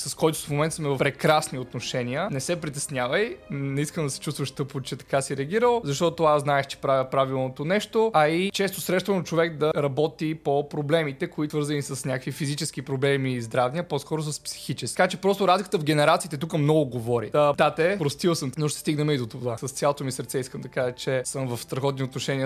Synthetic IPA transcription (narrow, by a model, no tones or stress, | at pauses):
sɐskɔjt̪ʊ̥fmomɛnt̪əsmɛvɐfpɾɛkɾasniot̪noʃɛniənɛsɛpɾit̪ɛsnʲjavəjnɛiskəmd̪ɐsɛ̥t͡ʃust̪vəʃt̪ɤpot͡ʃɛt̪ɐ̥kasiɾɛəɡʲiɾəlˠzɐʃt̪ɔt̪oaznaɛxt͡ʃɛ̥pɾavʲəpɾavilˠnot̪onɛʃt̪oɐit͡ʃɛst̪osɾɛʃt̪vənɐt͡ʃovɛk̚d̪ɐɾɐbɔt̪ipopɾoblɛmit̪ɛkoit̪vɤɾzɐnisɐsnʲakəkvifizit͡ʃɛsk̟ipɾoblɛmizd̪ɾavnʲiɐposkɔɾos̬ɐspsi̥xit͡ʃɛsat͡ʃɛpɾɔst̪ʊɾazlʲikə̥t̪əvɡɛnɛɾat̪siːt̪ɛt̪ukəmnɔɡʊɡovɔɾḭət̪at̪ɛpɾost̪ilˠsəmnoʃt̪ɛ̥st̪iɡnɛmɛid̪ot̪ovasɐst̪sjalˠot̪omisəɾt̪sɛiskəmd̪ɐkaʒət͡ʃɛsəmvɐfst̪ɾɐxɔt̪niot̪noʃɛniə